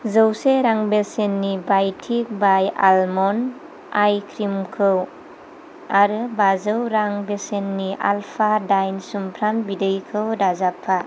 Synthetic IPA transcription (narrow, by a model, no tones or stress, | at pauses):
zɯwseɾaŋbesenːibajtʰik̚baja̰lmɔn | ajkʰɾimkʰɯw | aɾɯbazɯwɾaŋbesenːiʔa̰lpʰadajnsumpʰɾambidɯjkʰɯwdazapʰːa